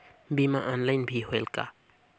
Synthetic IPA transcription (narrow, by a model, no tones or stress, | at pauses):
bima̰ʔaːnlajnbʱiɦoelka̰